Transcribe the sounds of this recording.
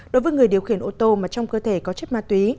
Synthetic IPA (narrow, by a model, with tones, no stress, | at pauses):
ɗo˨˦jvəː˨˦ŋɨ˨˩əjɗi˨˩əwxi˧˩ənʔo˧t̪o˧maː˨˩t͡ɕɔ˧wŋ͡mkəː˧t̪ʰe˧˩kɔ˨˦t͡ɕə˦˥t̚maː˧˥t̪wi˨˦